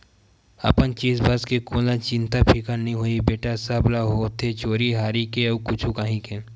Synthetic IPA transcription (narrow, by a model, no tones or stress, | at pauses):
ə̰pənt͡ʃiːzbʱɐskekoːlat͡ʃɪ̃nt̪apʰikənɐɦĩɦoːibeːʈasɐblaɦoːt̪ʰet͡ʃoːɾiɦaːɾikeɐkʊt͡ʃʰukaɦĩkʰẽl